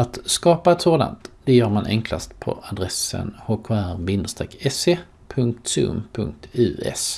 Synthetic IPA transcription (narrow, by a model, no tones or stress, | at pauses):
at̪skɑːpaɛt̪soːd̪a̰nt̪d̪̥ɛjœːɾmanʔɛŋkla̰st̪pʰɔ̰ad̪ɾɛsə̰nhoːkʰːæɾvɪnd̪əst̪ɾɛːkʰːɛseː | pʰɵŋk̚t̪sɵ̰mpʰɵŋk̚t̪ʉːɛ̰s